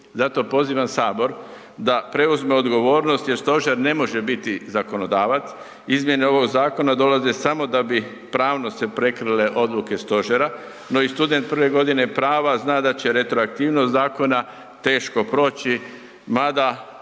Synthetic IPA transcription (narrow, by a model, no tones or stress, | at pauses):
zat̪o̞po̞ziːʋamsaːbo̞ɾ | d̪apɾe̞uzmeo̞d̪ɡo̞ʋoːɾno̞st̪je̞ɾst̪o̞ʒeɾne̞mo̞ʒe̞bit̪izako̞no̞d̪aːʋat̪s | izmje̞neo̞ʋo̞ɡzaːko̞nad̪o̞lazesamo̞d̪abi | pɾaːʋno̞se̞pɾe̞kɾɨle̞ʔo̞d̪luke̞st̪o̞ʒeɾa | no̞ist̪ud̪ent̪̚pɾ̩ʋe̞ɡo̞d̪ine̞pɾaːʋaznaːd̪at͡ɕe̞ɾe̞t̪ɾoak̚t̪iːʋnost̪zaːko̞na | t̪e̞ːʃko̞pɾo̞ːt͡ɕi | mad̪a